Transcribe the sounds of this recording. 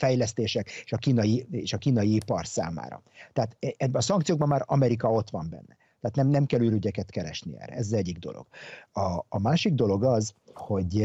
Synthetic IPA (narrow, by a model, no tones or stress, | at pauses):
fɛjlɛst̪eːʃɛke̥ʃɒkiːnɒjieːʃɒkiːnɒjiipɒrsa̰ːma̰ːɾɒ̰t̪ɛat̪ɛbːɛnɒsɒŋkt̪sijoɡ̚bɒmːaːɾɒmɛɾikɒo̞t̪ʋɒmbɛ̰nːɛ̰ | t̪ɛːt̪nɛmnɛmkɛlyɾyɟɛkɛt̪kɛɾɛ̰ʃniɛ̰ːrɛ̰ɛzɒzɛɟːiɡ̚d̪o̞̰lo̰ɡ̥ɒːmaːʃiɡ̚d̪o̞lo̞ɡɒzho̞ɟ